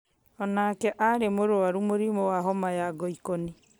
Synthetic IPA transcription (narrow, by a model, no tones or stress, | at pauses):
ɔnaːkɛʔaɾemoɾoaɾumoɾimowaɦɔmajaɡɔikɔni